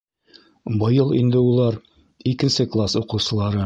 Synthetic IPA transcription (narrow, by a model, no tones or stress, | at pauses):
bɤ̆jɤlˠḭnd̪ɘulˠɑɾ | ikɘ̆nsɘklˠasuqɤ̆wsɤ̆lˠɑɾɤ